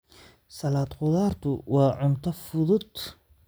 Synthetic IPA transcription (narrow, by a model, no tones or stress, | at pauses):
sɐlaːd̪qʊðaːrt̪ʰʊwɑːʕʊnt̪ʰɔfʊðʊd̪